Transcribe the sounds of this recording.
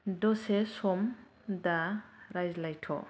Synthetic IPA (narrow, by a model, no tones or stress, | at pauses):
dɔsesɔm | daɾajzlajtʰɔ̰